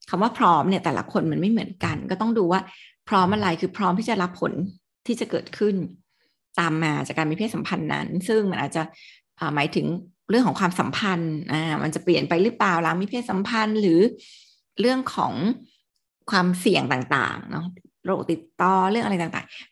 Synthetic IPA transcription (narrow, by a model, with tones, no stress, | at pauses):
kʰa˧mwaː˥˩pʰɾɔː˦˥mni˥˩ɐt̪ɛː˨˩la̰˧˩kʰo˧nma˩˦ənma˥˩jmɯ˩˦ənka˧nkɔː˥˩t̪ɔ˥˩ŋduː˧waː˥˩pʰɾɔː˦˥mʔa˧ɾa˧jkʰɯː˧pʰɾɔː˦˥mt̪ʰiː˥˩t͡ɕa˨˩ɾla˦˥pʰːo̰˨˩˦n | t̪ʰiː˥˩t͡ɕa˨˩kɤː˨˩t̪̚kʰɯ˥˩n | t̪aː˧mːaː˧t͡ɕaː˨˩kːaː˧nmi˧˥pʰeː˥˩t̪̚sa˨˩˦mpʰa˧nːa̰˦˥nsɯ˥˩ŋma˧nʔːt̪̚t͡ɕa˨˩ʔ | ʔəː˨˩maː˩˦jt̪ʰɯ˩˦ŋ | ɾəŋkʰɔ˨˩˦ŋkwaː˧msa˨˩˦mpʰa˧nʔaː˧˩mʔa˧nt͡ɕa˨˩pli˨˩ənpa˧jɾɯː˦˥plaː˨˩wlaː˨˦ŋmi˦˧˥pʰeː˥˩t̪̚sa˨˦mpʰa˧nɾɯː˩˦ | ɾɯ˥˩əŋkʰɔ̰ː˩˦ŋ | kʰwaː˧msi˨˩əŋt̪aː˨˩ŋt̪a̰ː˨˩ŋnɔ̰˦˥ | ɾo̰ː˨˩k̚t̪i˨˩t̪ːɔː˧ɾɯ˥˩ŋʔa˧ɾjta˨˩ŋt̪a̰ː˨˩ŋ